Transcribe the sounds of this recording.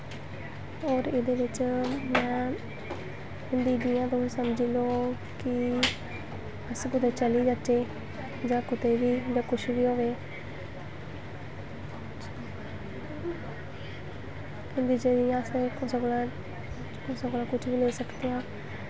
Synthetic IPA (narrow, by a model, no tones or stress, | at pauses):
ɔːɾɪd̪eːʋɪt͡ʃmɛ̃ː | ɪnd̪iːd̪ɪjãːt̪oesəmd͡ʒiːloː | kɪ | əsbʊd̪ẽːt͡ʃəliːd͡ʒat͡ʃːeː | d͡ʒãːkʊt̪eːʋiːd͡ʒãːkʊʃʋiːɦoːʋeː | kɪnd̪iːd͡ʒeːd̪ɪjãːəsekʊsaɡolaː | ʊsaɡolaːkʊt͡ʃʰʋiːlẽːsəkd̪iãː